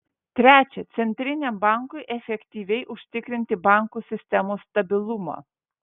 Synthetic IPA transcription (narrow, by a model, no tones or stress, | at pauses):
t̪ʲɾʲæːt͡ʃʲɛt̪sʲɛnʲt̪ʲɾʲɪnʲɛmbɑˑŋkʊɪʔɛfʲɛkʲt̪ʲiːʋʲɛɪʔʊʃʲt̪ʲɪkɾʲɪnʲt̪ʲɪbɑˑŋkuːsʲɪsʲt̪ʲɛmoːst̪ɐbʲɪlˠʊmɑ̰ː